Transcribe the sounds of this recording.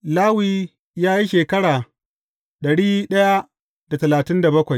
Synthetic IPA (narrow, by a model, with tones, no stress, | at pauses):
laː˦wiː˦ | jaː˦ji˦ʃeː˨kɐ˦ɽaː˨ | ɗɐ˨ɽiː˦ɗɐ˦ja˦ | d̥a˨tɐ˨laː˨tɪ˦nda˨bɐ˦kʷa˨j